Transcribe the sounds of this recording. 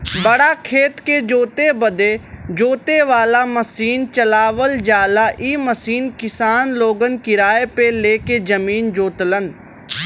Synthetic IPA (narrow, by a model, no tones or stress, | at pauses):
bəɽakʰeːt̪ked͡ʒoːt̪ebəd̪ed͡ʒoːt̪eʋaːlaməsiːnt͡ʃəlaːʋəld͡ʒaːlaʔiːməsiːnkɪsaːnloːɡənkɪɾaːepeleːked͡ʒɐmiːnd͡ʒoːt̪lən